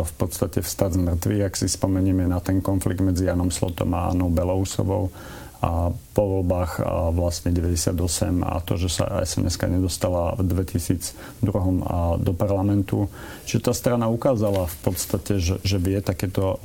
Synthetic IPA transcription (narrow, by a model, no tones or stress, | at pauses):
fpɔt̪st̪acɛfst̪azmr̩t̪ʋḭɣaksispɔmɛɲiːmɛnat̪ɛŋkɔnfliɡ̚d̪mɛd͡zijanɔmslɔ̰t̪ɔ̰maa̰nɔʊbɛlɔusɔ̰ʋɔ̰ʊ | apɔʋɔlbaːxʋlastɲɛɟɛʋɛɟɛsɪad̪ɔsɛ̰ma̰t̪ɔʒɛsa̰ɛ̰sɛ̰nʔɛ̰ska̰ɲɛd̪ɔst̪alavd̪ʋɛcisiːd͡z | d̪ɾuɦɔmd̪ɔpaɾlamɛnt̪u | t͡ʃiʒɛt̪aːst̪ɾanaukaːzalafpɔt̪st̪acɛʒɛʒɛʋɪɛt̪akɛːt̪ɔ